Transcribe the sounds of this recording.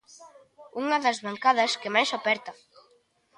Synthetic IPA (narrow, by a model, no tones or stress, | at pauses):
uŋɐðɐzβaŋkaðɐskɪmajsopɛɾt̪ɐ